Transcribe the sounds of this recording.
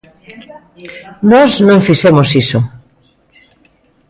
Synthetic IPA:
nɔznõŋfisemosiso

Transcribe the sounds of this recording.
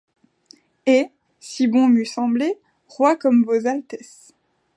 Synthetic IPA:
e | sibɔ̃mysɑ̃ble | ʁwakɔmvozalt̪ɛs

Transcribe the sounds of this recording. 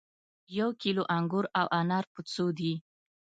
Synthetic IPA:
jawkiloʔaŋɡʊɾawʔanɑɾput͡sod̪i

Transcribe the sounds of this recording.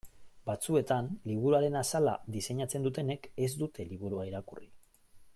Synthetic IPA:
bat͡sue̞t̪anliβ̞uɾuaɾe̞nasala̰d̪ise̞ɲat͡se̞nd̪ut̪e̞ne̞ke̞zd̪ut̪e̞liβ̞uɾuaiɾakuri

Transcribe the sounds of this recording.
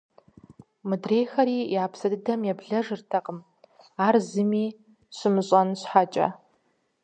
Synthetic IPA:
mɨdrejxɐɾiːjaːpʰsɐdɨdɐmjɛbɮɐʐɨrtʰɐqʼəm | aːrzɨmiː | ɕʷɨmɨɕʼɐnɕħat͡ʃʼɐ̰

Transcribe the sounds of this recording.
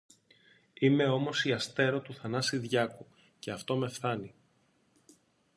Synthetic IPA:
ime̞o̞mo̞siɐst̪e̞ɾo̞t̪uθɐnɐsiðʝɐku | ce̞ɐft̪o̞me̞fθɐni

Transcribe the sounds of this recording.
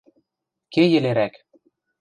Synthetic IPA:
kejɘ̆leɾæk

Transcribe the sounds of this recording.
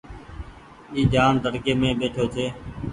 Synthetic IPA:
iːd͡ʒaːnd̪ʱəɾɡeːmẽːɓeːʈʰoːt̪ʰeː

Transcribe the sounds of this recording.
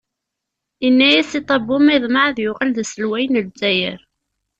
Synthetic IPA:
inːæjæsit̪ˤɑbːumiðˤmaʕðjʊʁəlðsəlwæjnəzæjəɾ

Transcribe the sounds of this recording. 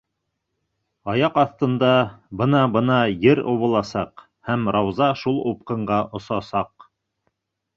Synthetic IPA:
ɑjɑqɑθt̪ɤ̆nd̪ɑbɤnɑbɤnɑjɘɾŏβɤ̆lˠɑsɑq | hæmɾɑwzɑʃulˠup̚qɤ̆ɴɢɑʔŏsɑsɑq

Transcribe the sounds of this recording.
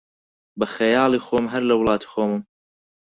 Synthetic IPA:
bɐxejɑːlˠiːxoːmɦɐɾlɐwlˠɑːt̪ʰi̥xoːmɨm

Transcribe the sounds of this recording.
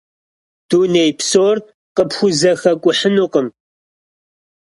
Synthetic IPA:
d̥uːneːjpsoːr | qəpxʷʊzɐxɐkʷʼʊħənuqəm

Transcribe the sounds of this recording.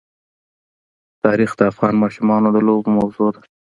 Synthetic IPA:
t̪ɑɾixd̪əafɣɑnmɑʃumɑnod̪əlobmawzod̪a

